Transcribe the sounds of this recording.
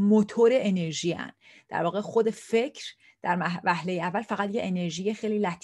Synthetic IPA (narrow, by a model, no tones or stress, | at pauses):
mot̪ʰoɾeʔeneɾʒiːæ̰n | d̪̥æ̰ɾvɒːɣe̞xod̪efe̞cʰɾ | d̪̥æɾmævæhlejeævːælfæɣæt̪jeʔeneɾʒijexejliːlæt̪ʰ